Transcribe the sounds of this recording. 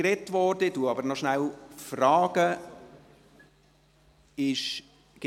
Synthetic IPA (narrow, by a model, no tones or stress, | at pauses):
ɾɛtʋɔɾdəduɑbəɾnɔʃnælfrɑːɡ̥ə | ɪʃ | ɡ̥ɪ